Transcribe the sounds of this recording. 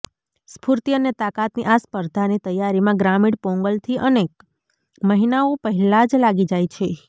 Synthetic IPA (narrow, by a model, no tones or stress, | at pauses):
spʰuɾt̪iənet̪akat̪niʔaspəɾd̪ʱanit̪əjaɾimãɡɾamiɽpɔ̃ŋɡəlt̪ʰiʔənek | məɦinaopəɦɛlad͡ʒlaɡid͡ʒajt͡ʃʰe